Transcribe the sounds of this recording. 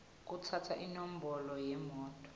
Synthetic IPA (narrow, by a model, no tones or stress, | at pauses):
k̬utʰatʰaʔinom̩bɔlɔjɛmɔːtʼɔ̥